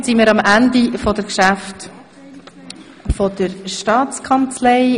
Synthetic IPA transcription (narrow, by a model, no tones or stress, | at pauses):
simiːɾɑmændifɔd̥əɾkʃæft | fɔd̥əɾʃtɑːt͡skʰɑnt͡slɛɪ